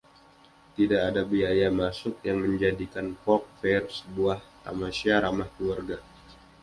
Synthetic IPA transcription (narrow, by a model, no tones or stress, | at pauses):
t̪idaːdabiajamasʊk̚jaŋməɲd͡ʒadikanpɔk̚fɛrsəbuaht̪a̰masiaɾamahkəluarɡa